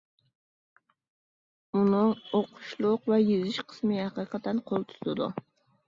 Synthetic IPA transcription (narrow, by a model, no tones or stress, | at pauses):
unɨoqʰʊ̥ʃlˠʊqvɛjizɪʃqʰə̥smɨhɑqɨqʰɑt̪ːɛnqʰolˠt̪ʰy̥t̪ɪd̪ṵ